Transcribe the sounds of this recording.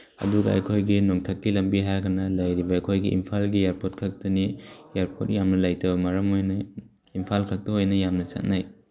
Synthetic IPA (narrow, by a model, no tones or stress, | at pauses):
ɐ̰duɡɐɐ̰jkʰojɡinoŋtʰɐkːilɐmbiɦaɾɡɐnɐlɐjɾibɐɐjkʰojɡiʔḭmpʰalɡijeɾpot̚kʰɐk̚tɐnijeɾpʰot̚jamnɐlajtɐbɐmɐɾɐmojnɐ | impʰalkʰɐk̚tɐɦojnɐjamnɐsɐ̰t̚naj